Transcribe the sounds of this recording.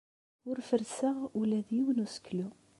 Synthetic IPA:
ʊɾfəɾsəʁulæðjiwənusə̥kːlu

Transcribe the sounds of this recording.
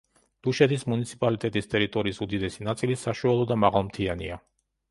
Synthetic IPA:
d̪̥uʃɛt̪ʰismunit̪sʰipʼalit̪ʼɛt̪ʼist̪ʼɛɾit̪ʼɔɾiːsud̪id̪ɛsinat̪sʼilisaʃualˠɔd̪amaʁalˠmt̪ʰiania

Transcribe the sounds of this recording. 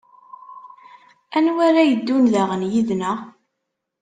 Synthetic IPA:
ænwæɾæjəd̪ːunðæʁənjiðnæ

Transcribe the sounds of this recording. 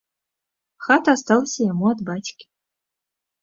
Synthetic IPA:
xat̪ast̪ɑlˠsʲəjamuad̪bat͡sʲkʲɪ̥

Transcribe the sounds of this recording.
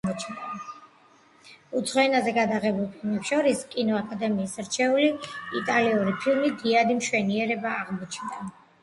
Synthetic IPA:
ɔt͡ʃnd̪a | ut̪sʰχɔɛnazɛɡad̪aʁɛbulˠpʰilˠmɛpʃɔɾiskʼinɔakʼad̪ɛmiːsɾt͡ʃʰɛuliit̪ʼaliuɾipʰilˠmid̪iad̪imʃwɛniɛɾɛbaːʁmɔt͡ʃʰnd̪a

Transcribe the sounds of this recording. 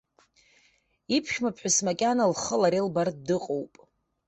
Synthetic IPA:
ipʰʃʲmapʰħᶣasmakʲʼanalχəlaɾelbartdɨqʼowpʼ

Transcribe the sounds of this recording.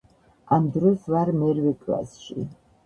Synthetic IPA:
amd̪ɾɔsvaɾmɛɾvɛkʰla̰sʃi

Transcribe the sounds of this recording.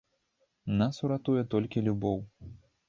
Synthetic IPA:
nasuɾat̪ujɛt̪ɔlʲkʲilʲubɔw

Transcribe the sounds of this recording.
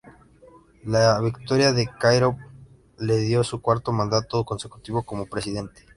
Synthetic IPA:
laβikt̪o̞ɾjaðe̞kajɾo̞β | le̞ðjo̞sukwaɾt̪o̞mãnd̪at̪oko̞nse̞ku̥t̪iβo̞ko̞mo̞pɾe̞siðe̞nt̪e̥

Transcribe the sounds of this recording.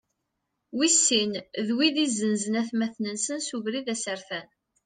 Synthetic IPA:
wisːinðwiðizːənzənæθmæθnənsənsuvɾiðæsəɾθæn

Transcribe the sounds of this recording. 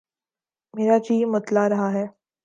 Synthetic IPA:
meːɾad͡ʒiːmət̪laɾɐɦaɦɛː

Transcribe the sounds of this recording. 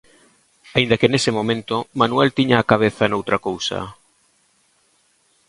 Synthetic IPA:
aind̪ɐkenesemõmẽnt̪omanuɛlt̪iɲaːkaβ̞eθanowt̪ɾakowsɐ̰

